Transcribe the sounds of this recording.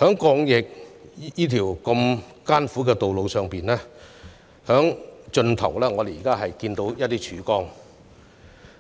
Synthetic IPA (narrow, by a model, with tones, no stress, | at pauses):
hœː˨˥ŋkɔː˧ŋjɪ˨k̚jiː˥t̪ʰiː˨˩wkɐ˧mkaː˥nfu˨˥kɛː˧t̪o˨wlo˨˧wsœː˨ŋpiː˨nlɛː˥ | hœː˨˥ŋt͡ʃɵ˧nt̪ʰɐ̰˨˩wlɛː˥ŋɔː˨˧d̪e˨jiː˨˩kaː˥ɦɐ˨jkiː˧nt̪o˧˥wjɐ˥t̚t̪iː˥t͡ʃʰyː˨˥kɔː˥ŋ